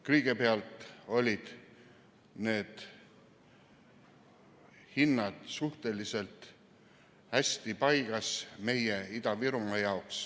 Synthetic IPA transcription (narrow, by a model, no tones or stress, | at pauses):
kɯjɡ̥epeɑlt̪ˑo̞lʲid̪̥ | ne̞ːd̪̥ | hinːɑd̪̥suht̪e̞lise̞lt̪ | hæsʲt̪ipɑjɡ̥ɑsme̞je̞id̪̥ɑviɾumɑjɑoks